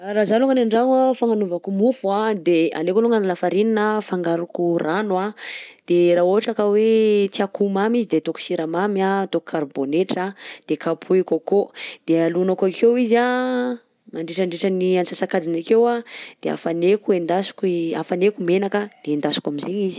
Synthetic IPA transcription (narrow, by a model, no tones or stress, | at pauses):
aɾazaluŋɡanaɳɖ͡ʐanafaŋanuvakumufuad̪ea̰lekoluŋanalafaɾininəfaŋɡaɾukurʔanwad̪̥eraːoɦaʈ͡ʂakəwet̪iakumamizid̪et̪oku̥siɾamamjat̪oku̥kʰaɾboneʈ͡ʂad̪̥ekapʰuikokod̪̥ealunakakʰewiza | maɳɖ͡ʐeʈ͡ʂəɳɖ͡ʐeʈ͡ʂəniansasakad̪inakewad̪̥ea̰fanekuend̪asu̥kiafanekumenakad̪̥end̪asu̥kamizeɲizi̥